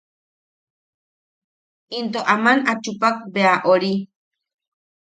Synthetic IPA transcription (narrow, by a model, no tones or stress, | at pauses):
int̪oʔamanat͡ʃupak̚beaʔoɾi